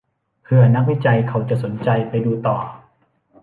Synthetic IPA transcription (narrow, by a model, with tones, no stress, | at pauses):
pʰɯ˧ɐna˦˥k̚wi˦˥t͡ɕa˧jkʰa˨˦˥wt͡ɕa˨˩ʔso˩˦nt͡ɕa˧jpa˧jduː˧t̪ɔː˨˩